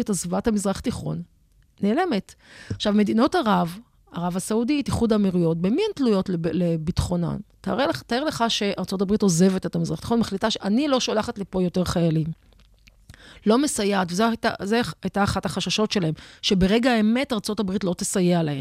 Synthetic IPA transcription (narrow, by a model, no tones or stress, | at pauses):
etazvathamizʁaχtiχo̞̰nː | eːle̞metaχʃavme̞dino̞taʁav | aʁavasauditiχudamiʁujo̞t̚bemientlujo̞tleblebitχo̞na̰ntaʁelt̪aeʁleχaʃe̞ʔaʁt͡so̞t̬abʁito̞ze̞ve̞tetamizʁaχt̪i̥χo̞nmaχlitaʃeʔanilo̞ʃolaχatlipo̞jo̞te̞ʁχajalim | lo̞mesajatvezta̰zeajtaːχathaχaʃaʃo̞tʃe̞lahe̞mʃe̞beʁe̞ɡaːeme̞taʁt͡so̞tabʁitlo̞t̪esajealahem